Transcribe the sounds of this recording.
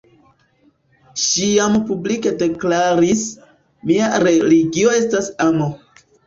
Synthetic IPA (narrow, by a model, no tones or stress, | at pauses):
ʃijampublike̞de̞klaɾis | miaɾe̞liɡio̞e̞stasamo